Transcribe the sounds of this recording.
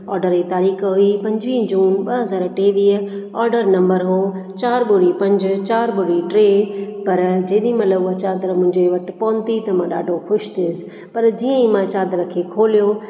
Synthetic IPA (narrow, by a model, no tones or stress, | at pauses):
ɔːɾɖəɾit̪aːɾiːxɦuipɐ̃ɲd͡ʑʋiːd͡ʑuːnɓɐɦɐzaːɾʈeːʋiːə | ɔːɾɖəɾnɐ̃mbəɾɦo | t͡ɕaːɾɓʊɽipɐ̃ɲd͡ʑʊt͡ɕaːɾɓʊɽiʈɾeːpɐɾd͡ʑeːɗĩmɐt̪ləbɐt͡ɕaːd̪ɾəmʊ̃ɦɪ̃ɲd͡ʑeʋɐʈɪpɔːnt̪it̪ɐmãɗaːɖʱokʰʊʃt̪isɪ̥ | pɐɾd͡ʑiːə̃imãt͡ɕaːd̪ɾəkʰekʰoːlijo